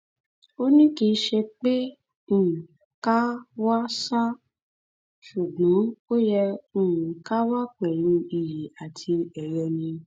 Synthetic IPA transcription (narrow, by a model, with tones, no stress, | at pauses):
o˦nĩ˦ki˧˦ʃɛ˧k͡pẽ˦˨ | ka˦wa˦sa˦ | ʃu˨ɡ͡bɔ̃˨˦o˦jɛ̃˧˦˨ | ka˦wa˦k͡pɛ˨jũ˧i˨ji˨a˨tʰi˧ɛ˨ɾɛ̃˧nĩ˧